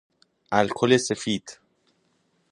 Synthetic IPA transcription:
ʔalkʰolesefiːd̪̥

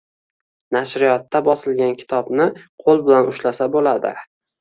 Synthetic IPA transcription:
naʃɾɪjɒt̪ːabɒsɪlɡʲankʲʰɪ̥t̪ʰɒbnɪqʰolˠbɪlanʊʃlasabolad̪ɪ̰

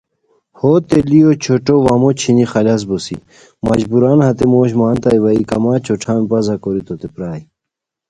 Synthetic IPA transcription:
hot̪elijot͡ɕʰoʈoʋamot͡ɕʰinixɐlɐs̬bosḭ | mɐd͡ʑbuɾaːnhɐt̪emoːɕmaːnt̪ɐjʋɐikɐmaːt͡ɕʰoʈ͡ʂʰaːmpɐzɐkoɾit̪ot̪epɾaːji

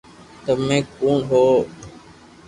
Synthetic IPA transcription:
t̪əmẽːkuːɳɦoː

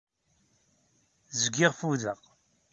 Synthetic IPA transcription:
zɡɪʁfuðəʁ

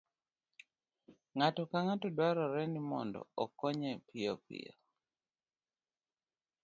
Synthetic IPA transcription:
ŋatɔkaŋatɔdwaɾɔɾɛnimɔ̰ndɔ̰ɔkːɔɲɛpʰɪopḭɔ

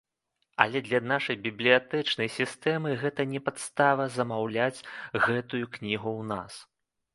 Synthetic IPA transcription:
ɐ̰lʲɛd̪lʲɐnaʂɐjbʲiblʲijat̪ɛt͡ʂnɐjsʲist̪ɛmɨɣɛt̪ɐnʲɛpat̪st̪avɐzɐmawlʲat͡sʲɣɛt̪ujuknʲiɣuwnas

